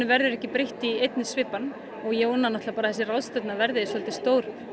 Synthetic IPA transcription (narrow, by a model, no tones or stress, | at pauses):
ʏvɛɾðʏɾɛhcɪpɾeht̪iejt̪nɪsvɪːpan | ɔɣjownanaht̪lapaːɾaθɛsɪrawðst̪œt̪navɛɾðɪsvɔlt̪ɪ̥st̪oːwɾ̥